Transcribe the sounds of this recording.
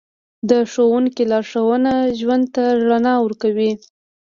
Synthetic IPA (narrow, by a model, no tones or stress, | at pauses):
d̪əʂowuŋkilɑɾʂawənaʒwand̪̚t̪aɾanɑwəɾkawi